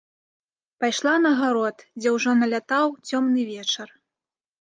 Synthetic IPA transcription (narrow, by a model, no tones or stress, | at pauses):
pajʂlˠanɐɣaɾɔt̪d͡zʲɛwʐɔnɐlʲat̪awt͡sʲɔmnɨvʲɛt͡ʂɐr